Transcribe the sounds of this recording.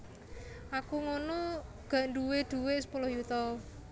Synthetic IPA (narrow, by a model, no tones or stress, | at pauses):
akuŋonɔ | ɡ̥ä̤ʔnɖuwed̪̥ṳwesə̥polɔhjut̪ɔ